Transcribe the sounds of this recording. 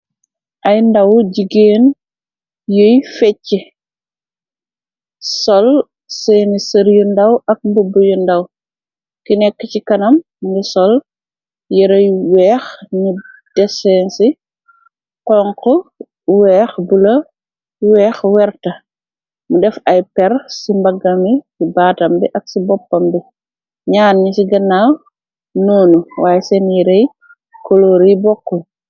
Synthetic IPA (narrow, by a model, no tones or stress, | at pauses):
ʔɐjndɐwɟiɡeːn | jəjfɛcːi | sɔl | sɛːnisɐɾjundɐwɐk̚mbubəjundɐw | kinɛkːəcikɐnɐm | ŋɡisɔl | jɛɾɐjwɛːxni | d̥ɛsɛnsi | kɔŋkɔ | wɛːxbulɐ | wɛːxwɛɾtɐ | mudɛfɐjpɛɾsimbɐɡɐmisibaːtɐmbiʔɐksibɔpːɐmbi | ɲaːnːisiɡɐnaw | noːnuwʔaːjɛsɛnjiɾej | koloːɾibɔkːɔ